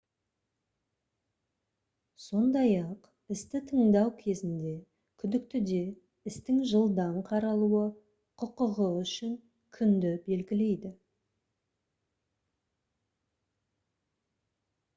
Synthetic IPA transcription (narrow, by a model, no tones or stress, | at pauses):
so̞nd̪ɑjɑq | ɪst̪ɪt̪ʰəɴd̪ɑwkʲʰe̞zɪnd̪e̞ | kʲʰʏd̪ɪk̚t̪ɪd̪e̞ | ɪst̪ɪŋʒəlˠd̪ɑɴqʰɑɾɑlˠuə | qʰʊqəʁəʏʃɪŋ | kʲʰʏnd̪ɪbe̞lɡʲɪle̞jd̪ɪ